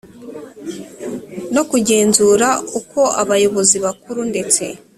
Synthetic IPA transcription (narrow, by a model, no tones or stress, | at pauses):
no̞kuɟe̞ːnzuɾauko̞ʔaβajo̞βo̞ziβakuɾunde̞t͡se̞̰